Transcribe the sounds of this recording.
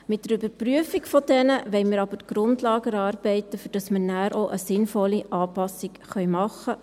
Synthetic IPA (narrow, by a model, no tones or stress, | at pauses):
mɪt̚dəɾybəɾpryəfikfɔd̥ɛnəʋɛɪmɪɾɑb̥ətɡ̥ɾʊndlɑːɡəɾɑːɾb̥ɛɪtːəfyɾd̥ɑsmənæːɾʔoʔəsɪnfɔlːiʔɑːpɑsikχœʏmɑχːə